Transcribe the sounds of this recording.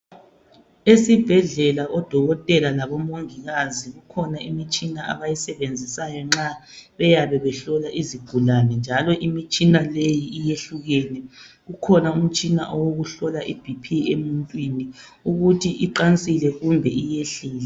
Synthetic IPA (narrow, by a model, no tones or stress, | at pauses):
esib̥ʱɛɮɛlaɔd̥ʱɔɣɔtʼɛlalaβɔmoŋiɣaziɣukʰɔnaimit͡ʃʼinaa̰βajisɛβend͡zʱisajɔŋ͡ǁa | βɛjaβɛβɛɬɔlaʔiziɡ̥ʱulanɛnd͡ʒʱalɔʔimit͡ʃʼinalejiijeɬuɣɛnɛ | ɣukʰɔnaum̩t͡ʃʼina̰ʔɔwoɣuɬɔlaʔib̥ʱipʰiemuntʼwiniuɣutʰiʔiǃant͡sʼilɛɣumbʱɛijeɬiːlɛ